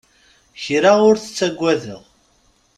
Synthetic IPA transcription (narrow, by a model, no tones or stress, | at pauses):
çɾaʊɾθə̥t͡sːæɡʷːæðə̰ʁ